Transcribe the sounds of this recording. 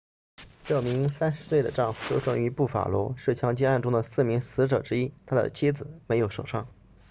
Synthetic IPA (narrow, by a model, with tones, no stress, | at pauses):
ʈ͡ʂɤ˥˩mi˧˥ŋsa˥nʂɻ̩˧˥swe˥˩ɪd̪ə̰˩ʈ͡ʂɑ˥˧ŋfu˧˩ɕjo˥ʊʂɤ˥ŋy˧˥pu˥˩fa̰˨˩lwɔ˧˥ʂɻ̩˥˩t͡ɕʰjɑ˧˥ŋt͡ɕɛ˥a˥˩nʈ͡ʂʊ˥ŋd̪ə˨sɹ̩˥˩mi˧˥ŋsɹ̩˧˥ʈ͡ʂɤ˨˩ʈ͡ʂɻ̩˥i˥t̪ʰa˥d̪ə̰˨t͡ɕʰi˥d͡zɹ̩˨˩me˧˥ɪjo˨˩ʊʂo˨˩ʊʂʰɑ̰˥˩ŋ